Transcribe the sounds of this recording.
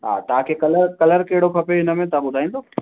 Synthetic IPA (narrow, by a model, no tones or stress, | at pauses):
ɦa̰ːt̪ɐãkekɐləɾkɐləɾkeːɽ̤okʰɐpeɪnəmẽt̪abʊd̪ʱaːĩnd̪oː